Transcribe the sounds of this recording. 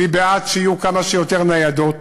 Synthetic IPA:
ibeat̪ʃeijukamaʃejo̞t̪e̞ʁnajad̪o̞

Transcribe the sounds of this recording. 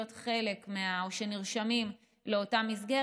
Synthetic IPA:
otχe̞le̞kmeaoʃe̞niʁʃamim | leo̞tamizɡe

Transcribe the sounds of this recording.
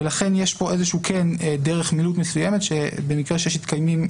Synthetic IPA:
elaχe̞njeʃpo̞ʔezeʃuːkʰendeʁeχmilut̪mesujemet̪ʃebemikʁeʃejeʃmit̪kajmim

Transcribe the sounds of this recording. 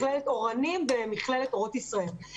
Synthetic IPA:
lelet̪o̞ʁanimbemiχlelet̪oʁot̪isʁael

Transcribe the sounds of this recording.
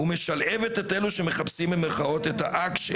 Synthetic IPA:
ume̞ʃalevet̪et̪e̞luʃeme̞χapsimbemeχao̞t̪et̪ha̰ʔakʃe

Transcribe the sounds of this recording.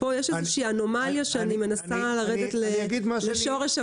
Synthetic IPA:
po̞jeʃezeʃiːano̞maljaʃeanime̞nasalaʁedetleɡid̪maleʃo̞ʁeʃa

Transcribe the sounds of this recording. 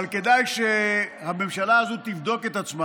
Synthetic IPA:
lke̞d̪ajʃehame̞mʃalaːzot̪ivd̪o̞ket̪at͡sma

